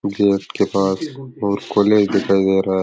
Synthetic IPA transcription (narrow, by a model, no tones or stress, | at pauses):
ɡeːʈkepaːsoːɾkoleːd͡ʒd̪ikajd̪eːɾa